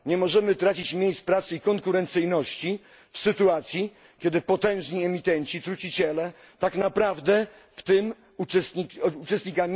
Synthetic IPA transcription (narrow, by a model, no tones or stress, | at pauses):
ɲɛmɔʐɛmɘt̪ɾat͡ɕit͡ɕmʲjejspɾat̪sɘikɔŋkuɾɛnt̪sɘjnɔɕt͡ɕi | fsɘt̪uat̪sʲji | kʲɛd̪ɘpɔt̪ɛ̃w̃ʐɲiɛmʲit̪ɛɲt͡ɕit̪ɾut͡ɕit͡ɕɛlɛ | t̪aknapɾavd̪ɛ | ft̪ɪm | usiut͡ʂɛst̪̚ɲikamʲ